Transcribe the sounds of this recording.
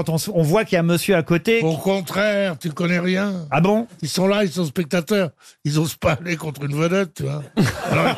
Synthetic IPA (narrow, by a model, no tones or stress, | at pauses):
ɑ̃t̪ɔ̃sɔ̃vwakjaməsjøakot̪eokɔ̃t̪χɛʁt̪ykɔnɛʁjɛ̃abɔ̃ilsɔ̃lailsɔ̃spɛk̚t̪at̪œːʁilzɔ̃sə̥palekɔ̃t̪χynvəd̪ɛt̪̚ːyvwaalɔ